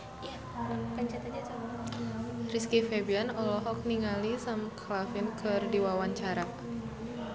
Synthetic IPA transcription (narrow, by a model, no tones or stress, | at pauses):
ja | nkaɲt͡ʃat̪ad͡ʒat͡ʃa | riskifebianɔlɔɦɔk̚niŋalisamkʰlafinkʰɨrdiwawaɲt͡ʃaɾa